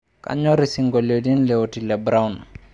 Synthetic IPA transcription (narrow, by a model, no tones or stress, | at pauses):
ka̰ɲɔɾisiŋɡolodinlɛotilɛbɾawn